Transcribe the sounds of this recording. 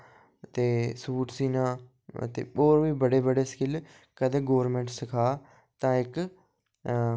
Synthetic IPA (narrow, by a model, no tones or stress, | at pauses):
t̪eːsuːʈsiːnãː | ə̰t̪ḛːoːɾʋiːbəɽeːbəɖeːskɪl | kəd̪ẽːɡoːɾmẽːɳʈsəkʰaː | t̪ãːɪk